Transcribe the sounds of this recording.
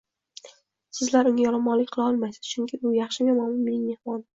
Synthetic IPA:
sɪzlaɾʊŋʲajɒɾamɒlɪkʲqʰɨlˠaɒlˠmajsɪ̥z̥t͡ʃʰʊŋkʲʰɪbʊjɑχʃɪmʲamamlɪnme̞nɪŋme̞hmɒn

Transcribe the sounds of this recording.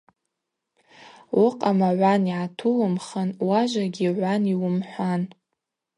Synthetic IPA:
wʊqʼamaʕʷaniʕatʰulɨmχənwaʒʷaɡʲiʕʷaniwʊmħʷan

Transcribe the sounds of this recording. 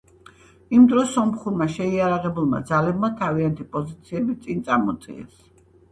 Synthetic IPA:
imd̪ɾɔsɔmχuɾmaʃɛiaɾaʁɛbulˠma̰d̪zalɛbmat̪ʰaviant̪ʰipʼɔzit̪sʰiɛbit̪sʼint̪sʼamɔt̪sʼḭɛ̰s

